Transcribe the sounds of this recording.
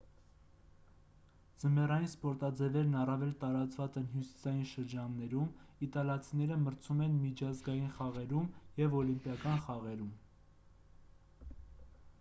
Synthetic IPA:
d͡zəmɛrɑjinspɔɾt̪ɑd͡zɛvɛɾnɑrɑvɛlt̪ɑɾɑt͡svɑt͡sɛn̪ɦjusi̥sɑjinʃəɾd͡ʒɑnːɛɾumit̪ɑljɑt͡sʰinɛɾəməɾt͡sʰumɛnmit͡ʃʰɑzɡɑjinχɑʁɛɾumjɛvɔlimpjɑkɑnχɑʁɛɾum

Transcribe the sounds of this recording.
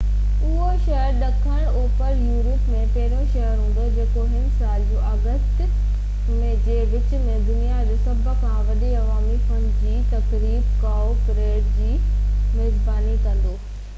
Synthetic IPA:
ʊɦoʃɐɦəɾɗɐkʰəɽ̃oːpəɾjuːɾʊpmẽpɐɦɪɾõʃɐɦəɾɦũːn̆d̪od͡ʑeːkoɦɪnsaːld͡ʑũːɐɣəst̪ | mẽd͡ʑeːʋɪt͡ɕʊ̆mẽd̪ʊnijaɾɪsɐbʱkʰãʋɐɗeɐʋaːmifɐnɖd͡ʑiːt̪ɐkɾiːbkaːopɾeːʈd͡ʑiːmeːzbaːnikɐ̃nd̪oː

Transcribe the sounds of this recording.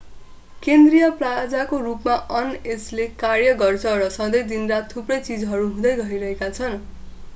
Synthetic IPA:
kend̪rijʌplad͡zakorupmaʔʌneslekarjʌɡʌrt͡sʰʌɾʌsʌ̃d̪ʌjd̪inrat̪ʰːuprʌjt͡sid͡zɦʌɾuɦũd̪ʌjɡʌɦiɾʌɦekat͡sʰʌn

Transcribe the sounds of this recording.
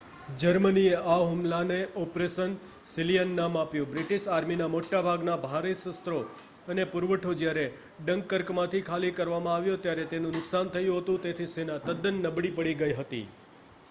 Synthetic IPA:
d͡ʒəɾmənieʔaʋɦʊmlaneʔɔpɾesən | sɪlijənːamapjũbɾɪʈiʃaɾminamoʈːabʱaɡnabʱaɾesəst̪ɾo | ənepʊɾʋəʈʰod͡ʒjaɾe | ɖəŋɡkːəɾkmãt̪ʰikʰalikəɾʋamãaʋjot̪jaɾet̪enũnʊksant̪ʰəjũɦət̪ũt̪et̪ʰisenat̪əd̪ənːəbɽipəɽiɡəiɦət̪ḭ

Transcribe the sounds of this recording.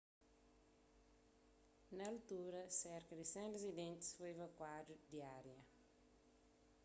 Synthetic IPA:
nɐːlt̪uɾɐsɛɾkɐd̪isɛ̃rezid̪ẽnt̪i̥sfojvɐkwadud̪iaɾjɐ

